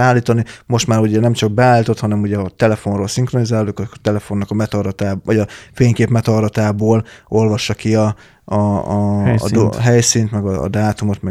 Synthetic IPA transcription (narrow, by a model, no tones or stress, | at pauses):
aːlːiːt̪ɒnimo̞ʃt̪maːɾuɟɛnɛmt͡ʃɒɡ̚bɛaːlːiːt̪o̞t̪hɒnɛmuɟɛɒt̪ɛlɛfo̞nroːlsiŋkro̞nizaːlolojkɒt̪ɛlɛfo̞nːɒkɒmɛt̪ɒɾɒt̪aːʋɒɟɒfeːɲkeːpmɛt̪ɒɾɒt̪aːboːlo̞lvɒʃːɒkiɒ | ɒ̰ | ɦɛjsiːnt̪mɛɡɒ̰ːd̪aːt̪umo̞t̪mɛ